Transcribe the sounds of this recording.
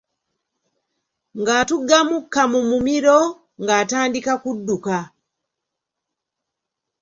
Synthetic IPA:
ŋɡatuɡamukamumumiɾɔ | ŋɡatandikakuduka

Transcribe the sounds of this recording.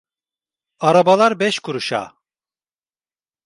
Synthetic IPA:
aɾabalˠaɾbɛʃkʰuɾuʃa̰ː

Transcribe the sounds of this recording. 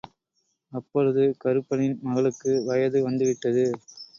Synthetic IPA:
ɐpːɔɾɯðɯkɐɾɯpːɐnɪnmɐɣɐɭɯkːɯʋɐjɐðɯʋɐnd̪ɯʋɪʈːɐðɯ

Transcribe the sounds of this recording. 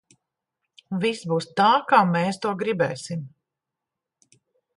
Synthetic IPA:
visbuːst̪aːkaːmɛːst̪uɔɡɾibɛːsim

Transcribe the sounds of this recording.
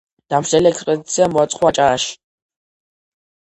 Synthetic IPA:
d̪̥amʃd̪ɛliɛkspʼɛd̪it̪sʰiamɔat̪sʼχʼwat͡ʃʼaːʃ

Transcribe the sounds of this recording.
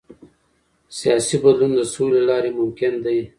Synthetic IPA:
sijɑsibad̪lund̪əsolelɑːɾemʊmkɪnd̪aj

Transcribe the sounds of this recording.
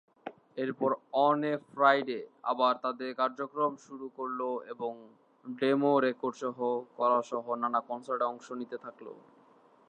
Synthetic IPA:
eɾpɔɾɔnefɾajɖea̰baɾt̪ad̪eɾkaɾd͡ʑokɾomʃuɾukoɾloeboŋ | ɖemoɾekoɾɖʃɔɦokɔɾaʃɔɦonanakɔnsaɾʈeɔŋʃonit̪et̪ʰaklo̰

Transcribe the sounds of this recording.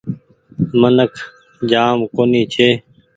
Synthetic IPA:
mənəkʰ | d͡ʒaːmkoːniːt͡ʃʰeː

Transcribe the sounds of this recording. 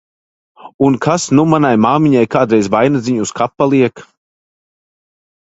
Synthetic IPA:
unkʰasnumanajmaːmiɲajkaːd̪ɾɛjzvajnad̪ziɲuuskʰapːalˠiɛk

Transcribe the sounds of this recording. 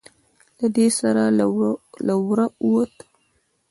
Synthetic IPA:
lad̪esaɾa | lawɾauwot̪

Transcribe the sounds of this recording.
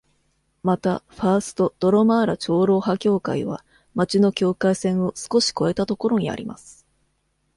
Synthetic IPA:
mat̪aɸaːsɨ̥t̪o̞d̪̥o̞ɾomaːɾat͡ɕo̞ːɾo̞ːɦakʲo̞ːka̰iβa̰ | mat͡ɕino̞kʲo̞ːkaisẽ̞ɰ̃o̞sɨ̥ko̞ɕi̥ko̞e̞t̪at̪o̞ko̞ɾo̞ɲ̟ia̰ɾʲima̰sɨ̥

